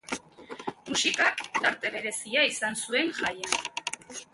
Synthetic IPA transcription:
musikakt̪aɾt̪e̞βe̞ɾe̞siaisansue̞nʝaja

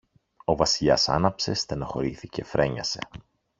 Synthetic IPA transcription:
o̞vɐsiʎɐ̰sɐ̰nɐpse̞st̪enoxo̞ɾiθice̞fɾe̞ɲɐse̞̰

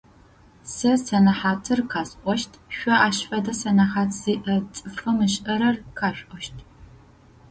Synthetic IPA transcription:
sɐsɐnɐħaːtʰɨrqʰaːsʼʔʷɔʃtʰʼɕʷɔʔaːɕfɐdɐsɐnɐħaːtʰz̥iːʔɐt͡sʼɨfɐmɨɕʔɐɾɐrkʰaːɕᶣʷʼʔʷʼɔʃtʰ

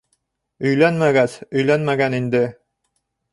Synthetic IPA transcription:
ɵ̆jlænmæɡæsɵ̆jlænmæɡænind̪ɘ

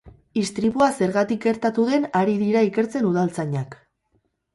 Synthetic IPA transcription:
ist̪ɾiβuase̞ɾɣat̪ik̚ɡe̞ɾt̪at̪uðe̞naɾiðiɾaike̞ɾt͡se̞nuðalt͡saɲak

